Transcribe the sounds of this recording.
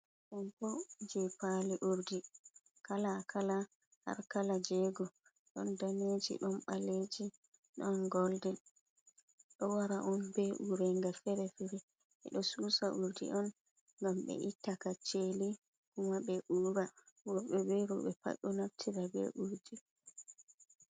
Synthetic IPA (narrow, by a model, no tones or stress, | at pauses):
ɗɔnpɔd͡ʒɛpaliʔuɾdi | kalakʰala | ha̰ɾkalad͡ʒɛɡɔ | ɗɔndaned͡ʒḭɗɔnɓaled͡ʒi | ɗɔnɡɔldɛ | ɗɔwaɾaʔɔnbɛʔuɾɛŋɡafɛɾɛfɛɾɛ | ɛ̰ɗɔsusaʔuɾdḭʔɔn | ŋɡamɓɛ̰ʔitːakat͡ʃːeli | kumabɛʔuɾawɔɓɛbɛɾuɓɛpa̰ɓɔnaftʰiɾabɛ̰ʔuɾdi